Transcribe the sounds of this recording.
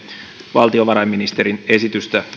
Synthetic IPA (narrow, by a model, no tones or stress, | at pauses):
ʋɑlt̪io̞ʋɑɾɑjmːinist̪eɾine̞sit̪yst̪æ